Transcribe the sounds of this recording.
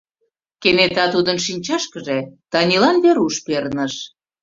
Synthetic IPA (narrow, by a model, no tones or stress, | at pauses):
kenet̪ɑt̪ud̪ənʃinʲt͡ɕɑʃkəʒet̪ɑnʲilɑnβeɾuʃpernəʃ